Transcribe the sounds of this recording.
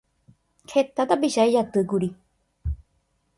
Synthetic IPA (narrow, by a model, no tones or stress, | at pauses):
kʰet̪at̪apiʃaed͡ʒat̪ɨkuɾi